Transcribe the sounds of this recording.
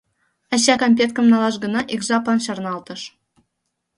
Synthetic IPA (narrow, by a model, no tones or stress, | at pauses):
ɑɕɑkamʲpʲet̪̚kə̆mnɑlˠɑʃɡɤ̆nɑʔeɡzɑplˠɑnɕɑrnɑlˠt̪ɤ̆ʃ